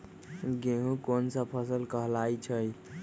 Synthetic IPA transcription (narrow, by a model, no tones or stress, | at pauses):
ɡeɦũkonsəpʰəsəlkəɦlajt͡ʃʰəj